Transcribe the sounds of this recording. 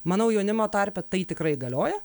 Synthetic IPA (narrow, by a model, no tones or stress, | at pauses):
mɑːnɐʊjɛʊnʲɪmoːt̪ɐɾʲpʲɛt̪ɐɪt̪ʲɪkɾɐɪɡɐlʲoːjɛ